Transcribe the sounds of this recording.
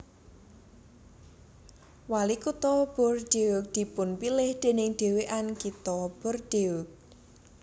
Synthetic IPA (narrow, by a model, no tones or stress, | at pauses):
walikut̪ɔb̥ɔrd̥eʊk̚d̪̥i̤pʊnpilɪhd̪̥e̤nɪŋd̪̥e̤weʔankit̪ɔb̥ɔrd̪̥eʊk̚